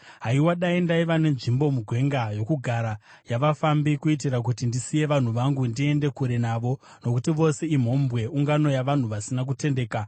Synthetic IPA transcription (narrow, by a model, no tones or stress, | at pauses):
ɦaiwaɗaindaiʋane̞nʐimbo̞muɡʱwe̞ŋɡajo̞kuɡʱaɾa | jaʋafambikuit̬iɾak̬utindisije̞ʋan̤uʋaŋɡundie̞nde̞kuɾe̞naʋo̞ | no̞kutiʋo̞se̞im̤o̞mbwe̞ʔuŋɡano̞jaʋan̤uʋasinak̬ute̞nde̞ːka